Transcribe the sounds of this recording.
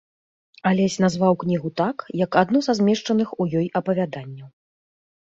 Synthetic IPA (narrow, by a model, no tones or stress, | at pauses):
alʲɛsʲnazvawknʲiɣut̪akjɐkad̪nuzazʲmʲɛʂt͡ʂɐnɨxujɔjɐpɐvʲad̪anʲːɐ